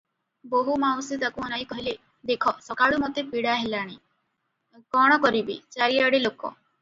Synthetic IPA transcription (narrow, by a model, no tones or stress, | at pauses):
boɦumawsit̪akuɔnajkɔɦile | d̪ekʰɔsɔkaɽumot̪epiɽaɦelaɽ̃i | ɡɔɽ̃ɔkɔɾibḭt͡ʃaɾijaɽelokɔ̰